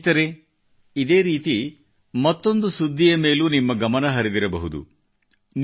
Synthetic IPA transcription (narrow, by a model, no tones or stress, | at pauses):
t̪ɐɾe | id̪eːɾiːt̪i | mɐt̪ːo̞nd̪usud̪ʱːijɐme̞ːlunimːɐɡɐmɐnɐɦɐɾid̪iɾɐbɐɦud̪ṵ | n